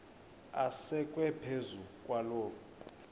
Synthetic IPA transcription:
asɛkʼwɛpʰezukʼwaloːku

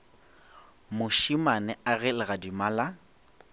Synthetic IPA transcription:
mʊʃimanɛaɣɛlɪɣadimala

